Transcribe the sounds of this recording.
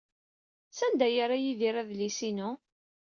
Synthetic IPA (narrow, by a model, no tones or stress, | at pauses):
sænd̪æjaɾajiðiɾˤæðlisinu